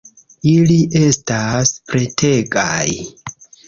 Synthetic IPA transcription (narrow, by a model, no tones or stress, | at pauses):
iliʔe̞staspɾe̞tʰe̞ɡaj